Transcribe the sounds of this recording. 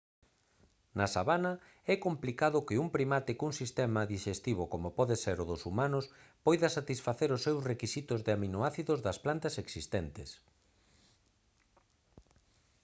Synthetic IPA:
nasaβanɐ | ɛkomplikaðʊkɪuŋpɾimat̪ikuŋsist̪ɛmɐðiʃest̪iβokomopɔðeseɾʊðʊsumanʊspɔjðɐsat̪isfaθeɾʊsːewsrekisit̪ʊzðɪaminoaθiðʊzðɐsplant̪ɐseksist̪ɛnt̪ɪs

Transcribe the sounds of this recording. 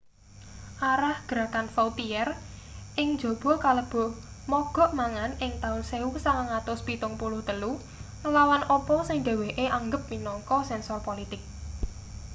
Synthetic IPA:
ʔaɾahɡ̥ɾakanfawt̪iɛrʔɪŋ̥d͡ʒo̤b̥ɔ̤kaləb̥ɔ̤h | mɔɡ̥ɔ̤ʔmaŋanɪŋt̪aʊlseusaŋaŋat̪ʊspit̪ʊŋpulʊht̪əlu | nəlawanʔɔpɔsɪŋd̪̥a̤weʔeʔaŋɡəp̚minɔŋkɔsɛnsɔrpolit̪ɪk̚

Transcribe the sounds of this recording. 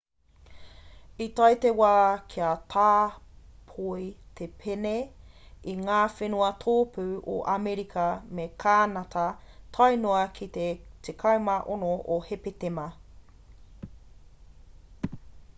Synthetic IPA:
itɐjtewaːkʰiɐtʰaːpʰojtʰepʰeneiŋaːfenuɐtʰoːpʰʉʔo̰ʔɐmeɾikʰɐmekʰaːnɐtʰɐ | tʰɐjnoɐkʰit̪etʰekʰɐwmɐʔonoʔohepetemɐ

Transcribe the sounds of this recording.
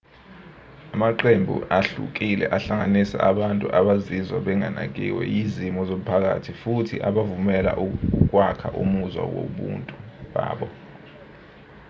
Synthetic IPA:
amaǃembʱṵʔaɬṵk̬ʼilɛ̰ʔaɬaŋanisa̰ʔaɓantʼuʔaɓazizwaɓɛŋanak̬ḭwɛ̰jizimɔzom̩pʰak̬a̰tʰifutʰḭʔaɓavumɛla̰uk̬wakʰaʔumuzwa̰wo̰ɓṵːntʼuɓaːɓɔ

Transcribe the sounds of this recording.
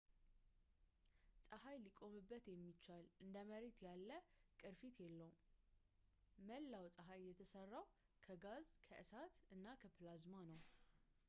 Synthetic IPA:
sʼəɦajlikʼo̞mɨbːət̪jɛmːit͡ʃːalʔɨnd̪əməɾet̪jalːəkʼɨɾfit̪jɛlːəw | məlːawsʼəɦajːɛt̪ʰəsərːaw | kʰəɡazkʰəʔɨsat̪ʔɨnːakʰəpʰlazmanəw

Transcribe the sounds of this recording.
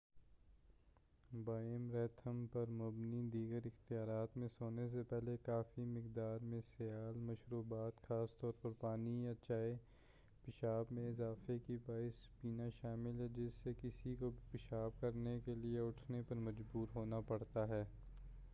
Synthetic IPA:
baːɪmɾɛːt̪ʰəmpɐɾmʊbnid̪iːɡəɾɪxt̪ijaːɾaːt̪mẽsoːnes̬epɛɦlekaːfimɪkd̪aːɾmẽsɪjaːlmɐʃɾuːbaːt̪xaːst̪ɔːɾpɐɾpaːniat͡ʃaːe | pɪʃaːbmẽɪzaːfekibaːɪspiːnaʃaːmɪlɦɛd͡ʒɪsːekɪsikobʱpɪʃaːb̚kɐɾnekelieʊʈʰnepɐɾmɐd͡ʒbuːɾɦoːnapɐɽt̪aɦɛː

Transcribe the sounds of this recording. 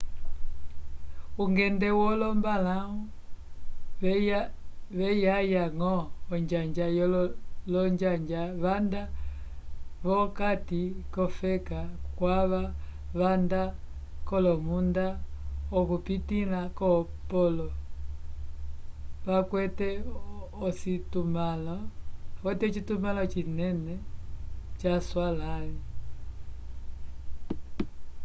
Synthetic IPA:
uŋɡɛndɛwɔlɔmbalaɔ | ʋɛjajaŋɔːɲd͡ʒaɲd͡ʒajɔllɔɲd͡ʒaɲd͡ʒaβanda | βɔkatikɔfɛkakwaβa | βanda | kɔlɔmundaɔkupitilakɔ | pɔlɔ | βakwɛtɛɔsitumalakwɛtɛɔt͡ʃitumalat͡ʃinɛnɛ | t͡ʃaswalani

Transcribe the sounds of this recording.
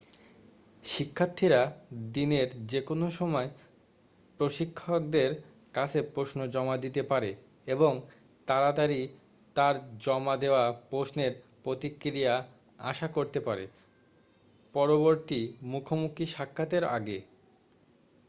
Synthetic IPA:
ʃikʰːat̪ʰːiɾad̪ineɾd͡ʑekonoʃɔmɔe | pɾoʃikʰːok̚d̪eɾ | kat͡ɕʰepɾosnod͡ʑɔmad̪it̪epaɾe | eboŋ | t̪aɾad̪aɾi | t̪aɾd͡ʑɔmad̪eoapɾosneɾpɾot̪ikɾija | a̰ʃakoɾt̪epaɾe | pɔɾoboɾt̪imukʰomukʰiʃakʰːat̪eɾa̰ɡe

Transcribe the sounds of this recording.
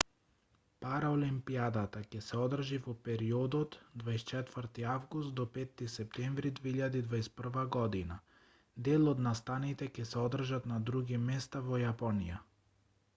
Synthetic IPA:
paɾaɔlimpiad̪at̪acɛsɛɔd̪r̩ʒivɔpɛɾiɔd̪ɔt̪d̪vaɛst͡ʃɛt̪vəɾt̪iavɡust̪̚d̪ɔpɛt̪ːisɛp̚t̪ɛɱvɾid̪veiʎad̪id̪vaɛspr̩vaɡɔd̪ina | d̪ɛlˠɔd̪nast̪anit̪ɛcɛsɛɔd̪r̩ʒat̪nad̪ɾuɡimɛst̪avɔjapɔnija

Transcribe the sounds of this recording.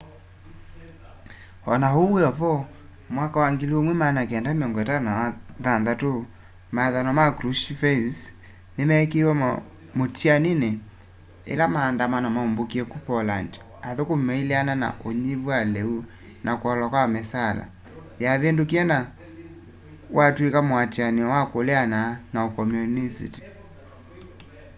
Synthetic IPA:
ɔnahoweɔpɔ | mwakawaŋɡiliomwɛmanakeɛndameɔŋɡɔɛtanaaðanðato | maðanɔmakɾuʃfɛs | nemɛkewɔ | motianine | ḛlamaːndamanamaombokiɛkupɔland | aðokomɛileanana̰ʔoɲiβwalɛu | nʔakwɔlakwamɛsala̰ | jaβendokiɛna | wʔatwekamoatjaniɔwakoleananaokɔmjunisḭti̥

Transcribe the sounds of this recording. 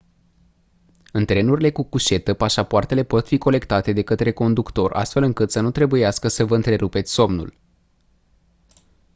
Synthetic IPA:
ɨnt̪ɾe̞nuɾile̞kukuʃe̞t̪əpaʃapoart̪e̞le̞po̞t̪fiko̞le̞kt̪at̪e̞d̪e̞kət̪ɾe̞ko̞nd̪ukt̪o̞ra̰st̪fe̞lɨŋkɨt̪sənut̪ɾe̞bujaskəsəvəɨnt̪ɾe̞ɾupe̞t̪sʲso̞mnṵl

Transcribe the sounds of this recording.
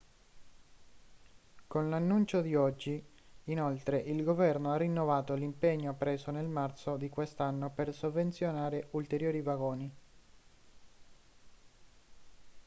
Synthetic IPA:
konlanːunt͡ʃod̪iɔd͡ʒːiː | nolt̪ɾeʔilɡovɛrnoarːinːovaːt̪olimpeɲːoapːɾeːsonelmart̪sod̪ikwest̪anːopersovːent̪sjonaːɾeʔult̪eɾjoːɾivaɡoːni

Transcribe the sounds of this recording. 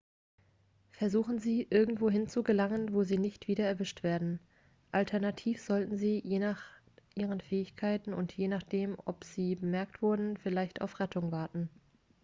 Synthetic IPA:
fɛɐzuːxn̩ziːʔɪɐɡŋ̩tv̥oːɦɪnt͡suɡəlaŋənvoːziːnɪçtv̥iːɾɐɛɐvɪʃtv̥eːɐdn̩ | ʔaltʰɛɐnatʰiːfz̥ɔltn̩ziːjeːnaːχ | ʔiːʁ̞ənfɛːɪçkʰaɪtn̩ʊntjeːnaχd̥eːmɔ̰pz̥iːbəmɛɐk̚tv̥ʊɐdn̩fɪlaɪçta̰ʊfʁɛtʰʊŋvaɐtn̩

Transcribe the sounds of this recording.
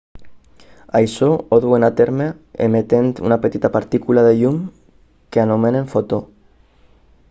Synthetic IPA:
ajsooðuenat̪eɾmeḛmet̪ent̪ṵnapet̪it̪apaɾt̪ikulaðeʎum | keanomeneɱfot̪o

